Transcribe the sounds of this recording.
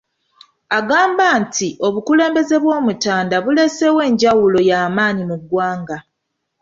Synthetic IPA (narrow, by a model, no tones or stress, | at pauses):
aɡaːmbaːntʰiʔo̞βukule̞ːmbe̞ze̞βwo̞ːmutaːndaβule̞se̞we̞ːɲɟawulo̞jaːmaːnimuɡwaːŋɡa